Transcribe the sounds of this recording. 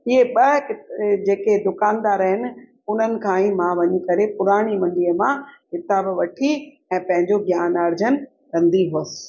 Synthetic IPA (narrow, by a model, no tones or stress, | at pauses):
iɦeɓɐkɪd͡ʑeːked̪ʊkaːnd̪aːɾɐɦɪnɪ̆ | ʊn̤ənɪ̆kʰãːĩmãʋɐɲikɐɾepʊɾaːɽ̃imɐ̃ɳɖiːəmãkɪt̪abʋɐʈʰi | ɛ̃ːpɐ̃ɦɪ̃ɲd͡ʑoɡjaːnɐɾd͡ʑən | kɐ̃nd̪iɦoəsɪ̥̆